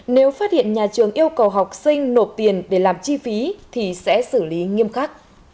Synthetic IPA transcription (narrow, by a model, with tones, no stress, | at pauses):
ne˨˦wfaː˦˥t̚hḭ˧˨ənɲaː˨˩t͡ɕɨ˨˩əŋʔi˧əwkə˨˩wɦa˨˩wk͡p̚sï˧ŋ̟no˨˩t̚t̪i˨˩ənɗe˧˩laː˨˩mt͡ɕi˧fi˨˦t̪ʰi˨˩sɛ̰˧˥sɨ˧˩li˨˦ŋi˧əmxaː˦˥k̚